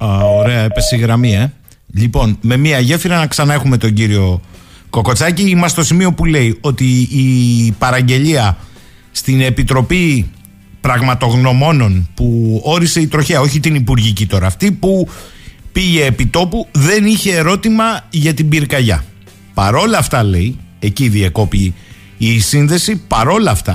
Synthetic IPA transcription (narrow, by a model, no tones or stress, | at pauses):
oɾe̞ɐepesiɣɾɐmie | ʎipo̞nme̞miɐʝe̞fiɾɐnɐksɐnɐe̞xume̞t̪o̞ɲɟiɾio̞ | ko̞ko̞t͡sɐciimɐst̪o̞simio̞pule̞io̞t̪iː | pɐɾɐɲɟe̞ʎiɐ | st̪ine̞pit̪ɾo̞pi | pɾɐɣmɐt̪o̞ɣno̞mo̞no̞npuo̞ɾise̞it̪ɾo̞çeɐo̞çit̪inipuɾʝicit̪o̞ɾɐːft̪ipu | piʝe̞ːpit̪o̞puðe̞niçe̞ːɾo̞t̪imɐʝɐt̪ibiɾkɐʝɐ̰ | pɐɾo̞lɐft̪ɐle̞ie̞ciðiɐko̞piː | sinðe̞sipɐɾo̞lɐft̪ɐ